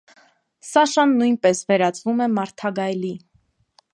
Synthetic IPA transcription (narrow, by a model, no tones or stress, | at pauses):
sɑʃɑnːujnpɛsvɛɾɑt͡svumɛmɑɾt̪ʰɑɡɑjli